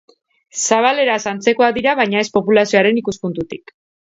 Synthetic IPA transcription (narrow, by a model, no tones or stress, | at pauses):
saβ̞ale̞ɾaesant͡se̞ko̞aðiɾaβ̞ajɲae̞spo̞pulasio̞aɾe̞nikuspunt̪ut̪ik